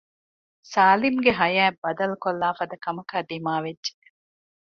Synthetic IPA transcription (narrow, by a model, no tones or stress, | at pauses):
saːlimɡeɦɐjæːbɐd̪ɐlukolːaːfɐd̪ɐkɐmɐkaːd̪imaːʋedːʒe̥